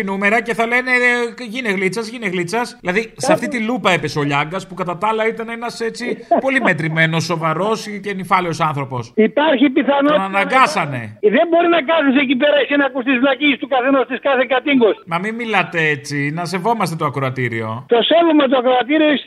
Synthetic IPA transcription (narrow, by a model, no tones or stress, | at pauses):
inume̞ɾɐce̞θɐlene̞ʝineɣlit͡sɐzʝineɣlit͡sɐsðilɐðiseɐft̪it̪ilupɐepe̞soʎɐŋɡɐspukɐt̪ɐt̪ɐlɐit̪ɐnenɐse̞t͡sipo̞lime̞t̪ɾime̞no̞sːo̞vɐɾo̞scenifɐleo̞sɐnθɾo̞po̞sipɐɾçipiθɐnoɐnnɐŋɡɐsɐne̞̰ðembo̞ɾinɐkɐθis̬ec̬ip̬eɾɐisinɐkust̪izvlɐcist̪ukɐθenost̪iskɐθekɐt̪iŋɡosmɐmimmːilɐt̪e̞et͡sinɐse̞vo̞mɐst̪e̞t̪o̞ɐkɾo̞ɐt̪iɾḭo̞̰t̪o̞sevomɐt̪̬oɐkɾoɐt̪iɾiois